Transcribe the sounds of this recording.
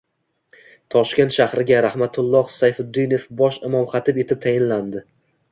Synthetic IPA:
t̪ʰɒʃkʲe̞nt̪ʃahɾɪɡʲaɾahmat̪ʰʊlˠːɒhsajfʊd̪ːijnofbɒʃɪmɒmχat̪ʰɪpe̞t̪ʰɪp̚t̪ʰajɪnland̪ɪ

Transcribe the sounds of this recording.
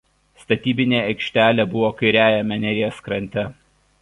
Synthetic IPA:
st̪ɐt̪ʲiːbʲɪnʲeːɐɪkʃʲt̪ʲæːlʲeːbʊʋoːkɐɪɾʲæːjɛmʲɛnʲɛɾʲɪjɛskɾɐnʲt̪ʲɛ

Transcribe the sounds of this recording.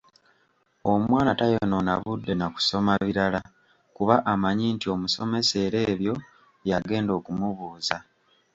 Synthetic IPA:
o̞mwaːnatajono̞na̰βudːe̞naku̥so̞maβiɾala | kuβaʔamaɲiːntio̞muso̞me̞se̞ːɾe̞ːβjo̞ | jaɡe̞ːndo̞ːkumuβuːza

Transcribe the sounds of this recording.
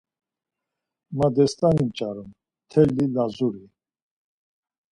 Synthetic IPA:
mad̪ɛst̪ʼanimt͡ʃʼaɾum | t̪ʰɛlːilazuɾi

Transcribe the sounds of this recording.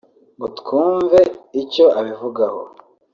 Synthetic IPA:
ŋɡutkʰuːɱve̞ico̞ʔaβivuɡaho̰

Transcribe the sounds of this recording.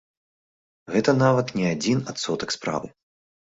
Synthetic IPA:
ɣɛt̪ɐnavɐt̪nʲɛad͡zʲinat̪sɔt̪ɐkspɾa̰vɨ̰

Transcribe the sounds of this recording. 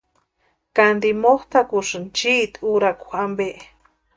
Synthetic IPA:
kand̪imoht̪akuʂɨnt͡ʃiʔt̪uɾakuambeʔ

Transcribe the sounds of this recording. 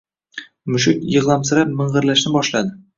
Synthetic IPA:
mʊʃɪkjɤ̆ʁlˠamsɪɾap̚mɪ̆ɴʁɤ̆ɾlaʃnɪbɒʃlad̪ɪ

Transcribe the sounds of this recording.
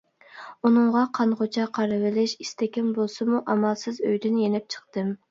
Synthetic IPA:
unɨŋʁɑqʰɑnʁot͡ʃʰɑqʰɑɾɨvɪlɪʃist̪ɛkʲɛnbolˠsɨmuʔɑmɑlˠsɨzøjd̪ynjenɪp̚t͡ʃʰə̥qt̪ɨm

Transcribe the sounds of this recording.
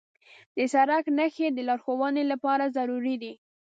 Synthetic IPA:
d̪əsaɾaknaxed̪əlɑɾxowɑnelapɑɾazaɾuɾid̪i

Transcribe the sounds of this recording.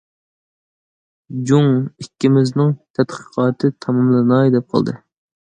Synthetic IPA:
d͡ʒuŋikʲːɪmɪznɪŋt̪ʰɛt̪qʰə̥qʰɑːt̪ʰɨt̪ʰɑmɑmlˠɨnɑd̪ɛp̚qʰɑ̰lˠd̪ɨ̰

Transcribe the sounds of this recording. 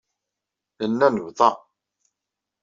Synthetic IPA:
ənːænəvðˤɑ

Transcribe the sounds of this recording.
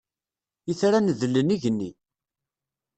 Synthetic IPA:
jəθɾanəðəlːəniʝənːi

